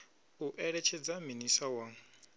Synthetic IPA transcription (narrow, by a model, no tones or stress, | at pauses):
uʔɛɺɛt͡ʃʰɛd͡zaminisawa